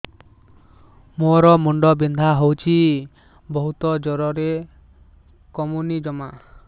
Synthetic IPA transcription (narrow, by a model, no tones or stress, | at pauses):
moɾɔmuɳɖɔbind̪ʱaɦowt͡ʃʰi | bɔɦut̪ɔd͡ʒɔɾɔɾe | kɔmunid͡ʒɔma